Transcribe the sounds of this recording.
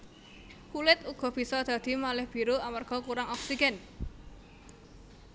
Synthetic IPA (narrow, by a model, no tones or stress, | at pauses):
kulɪt̪uɡ̥ɔ̤b̥i̤sɔd̪̥ä̤d̪̥i̤malɪhb̥iɾuamarɡ̥ɔ̤kuɾaŋɔksiɡ̥ɛn